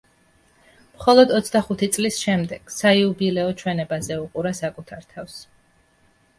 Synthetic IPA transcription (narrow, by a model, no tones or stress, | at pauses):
mχɔlˠɔd̪ɔt̪sʰd̪aχut̪ʰit̪sʼlisʃɛmd̪ɛɡ̥saiubilɛɔt͡ʃʰwɛnɛbazɛuqʼuɾasakʼut̪ʰaɾt̪ʰafs